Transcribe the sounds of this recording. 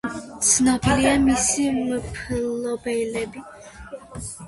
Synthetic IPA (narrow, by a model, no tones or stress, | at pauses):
t̪sʰnɔbiɾiamisimpʰlɔbɛlɛbi